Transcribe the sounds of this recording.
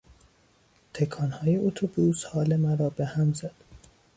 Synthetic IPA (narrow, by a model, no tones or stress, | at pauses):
t̪ʰekʰɒːnhɒːje̞ot̪ʰobushɒːle̞mæɾɒːbehæmzæd̪̥